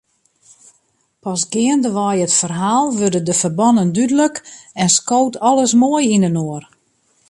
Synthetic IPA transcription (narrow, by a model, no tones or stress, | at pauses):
pɔsɡɪəndəʋɔjətfərɦaːlˠʋørdədəfərbɔnəndydələkɛnskowtɔləsmoəjinənoər